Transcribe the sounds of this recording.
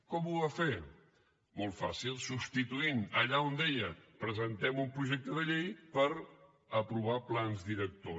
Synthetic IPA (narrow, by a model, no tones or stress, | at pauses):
kɔmuafe | mɔlˠfasilˠsupst̪it̪uinəʎaond̪ejəpɾəzənt̪ɛmumpɾuʒɛk̚t̪əðəʎejpəɾ | əpɾuβ̞aplanzðiɾək̚t̪o